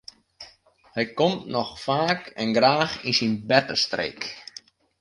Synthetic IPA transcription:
hɛjkɔmtnɔxfaːkɛnɡraːxinsinbɛtəstrḛːk

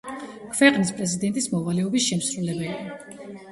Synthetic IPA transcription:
kʰvɛqʼnispʼɾɛzid̪ɛnt̪ʼismɔvalɛɔbisʃɛmsɾulɛbɛlia

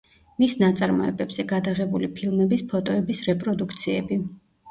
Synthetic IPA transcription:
misnat̪sʼaɾmɔ̰ɛ̰bɛbz̥ɛɡad̪aʁɛbulipʰilˠmɛbispʰɔt̪ʼɔɛbisɾɛpʼɾɔd̪ukʰt̪sʰiɛbi

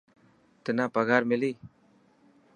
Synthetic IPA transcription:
t̪ənaːpɐɡaːɾmɪliː

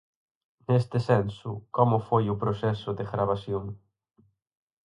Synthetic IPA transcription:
nest̪ɪsɛnsʊkɔmʊfojʊpɾosɛsʊd̪eɣɾaβ̞asjoŋ

